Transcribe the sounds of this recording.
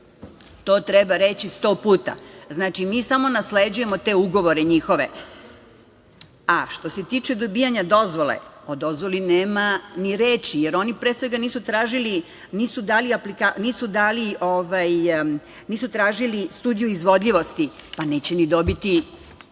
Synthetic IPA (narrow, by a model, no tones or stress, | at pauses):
t̪o̞ːt̪ɾebaɾe̞t͡ɕist̪o̞puːt̪a̰znaːt͡ʃimiːsamo̞nasled͡ʑuje̞mo̞t̪e̞uɡo̞ʋo̞ɾeɲixo̞ʋe̞̰ | aʃt̪o̞se̞t̪iːt͡ʂe̞d̪obiːjaɲad̪o̞zʋo̞lḛo̞d̪o̞zʋo̞lineːmaniɾeːt͡ɕijeɾo̞nipɾesʋe̞ɡaniːsut̪ɾaːʒili | niːsud̪aːliaplikaniːsud̪aːlioʋaj | niːsut̪ɾaːʒilist̪uːd̪ijuizʋo̞d̪ʎʲiʋo̞st̪ipane̞ːt͡ɕenid̪o̞bit̪i